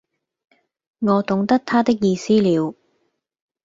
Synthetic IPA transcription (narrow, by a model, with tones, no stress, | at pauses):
ŋɔː˨˧t̪ʊ˨˧˥ŋt̪ɐ˥k̚t̪ʰaː˥t̪ɪ˥k̚jiː˧siː˥liː˨˧w